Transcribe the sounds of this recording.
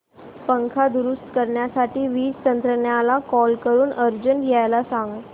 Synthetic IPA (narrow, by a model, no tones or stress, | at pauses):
pəŋkʰad̪uɾust̪kəɾɳjasaʈiːʋiːd͡zt̪ənt̪ɾəɳjalakɔlkəɾuːnʔəɾd͡ʑənɡajlasãŋɡ